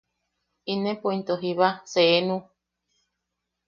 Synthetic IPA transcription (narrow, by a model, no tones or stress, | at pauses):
inẽpoint̪oɦiβaseːnũ